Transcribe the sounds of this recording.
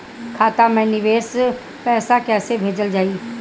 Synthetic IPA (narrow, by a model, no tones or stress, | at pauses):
kʰaːt̪amɛ̃nɪʋeːs | pɛːsakɛːsebʱeːd͡ʒəld͡ʒaːi